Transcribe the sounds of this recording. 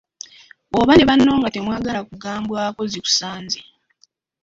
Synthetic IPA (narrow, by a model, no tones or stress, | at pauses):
oβane̞βanːo̞ːŋɡatemwaːɡalakuɡaːmbwako̞ziku̥saːnzi